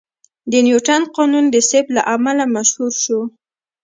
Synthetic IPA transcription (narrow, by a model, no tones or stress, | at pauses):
d̪ənjuʈanqɑnund̪əsɪblaʔamalamaʃhuɾʃu